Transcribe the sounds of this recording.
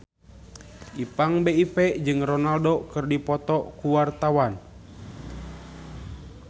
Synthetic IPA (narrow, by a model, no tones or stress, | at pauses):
ʔipaŋbeipɛd͡ʒɨŋrɔnaldokɨrdipɔt̪ɔkuwart̪awan